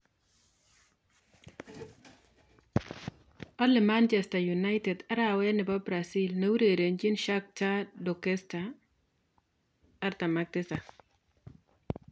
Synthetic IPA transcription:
ɔ˦lɪ˨ma˦nt͡ʃɛ˨sta˨ju˨na˦ɪtɛ˨da˦ɾawɛ˦nɪ˨ba˦bɾa˨si˦lne˦u˦ɾe˨ɾe˨nd͡ʒɪ˦nʃa˦k̚t͡ʃa˦dɔ˨kɛ˦sta˨ | ɾt̪a˨ma˨k̚tɪ˦sa˨

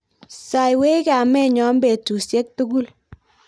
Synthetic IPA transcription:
sa˨jwe˦i˦ka˨mɛ˦ɲɔ˨˦mbe˨tu˨sje˦k̚tu˦ɡu˦˨l

